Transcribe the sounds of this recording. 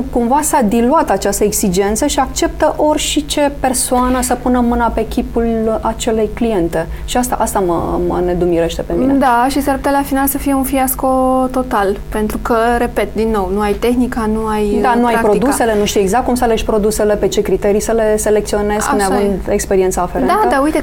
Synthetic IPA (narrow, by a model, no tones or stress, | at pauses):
kumvasad̪iluat̪at͡ʃast̪əeksid͡ʒe̞nt̪səʃiak̚t͡ʃe̞p̚t̪əʔo̞rʲʃit͡ʃe̞pe̞rsoanəsəpunəmɨnape̞kʲipulat͡ʃe̞le̞jklije̞nt̪e̞ | ʃiast̪a̰ʔast̪amə̰mə̰ne̞d̪umiɾe̞ʃt̪e̞pe̞mined̪aʃisaɾput̪elafinalsəfije̞unfiasko̞t̪o̞t̪alpe̞nt̪ɾukəɾe̞pe̞t̪̚d̪inːo̞wnuajt̪e̞xnikanuajd̪anuajapɾod̪usele̞nuʃt̪ijeɡzakt̪̚kumsaleʃʲpɾo̞d̪use̞le̞pe̞t͡ʃe̞kɾit̪e̞ɾisəle̞se̞lek̚t̪sio̞ne̞zkaneavɨnd̪ekspeɾient̪saːfeɾed̪ad̪aujt̪e